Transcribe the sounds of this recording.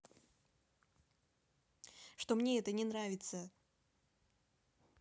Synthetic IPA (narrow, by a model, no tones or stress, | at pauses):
ʂt̪omnʲeɛt̪ənʲɪnɾavʲɪt̪sə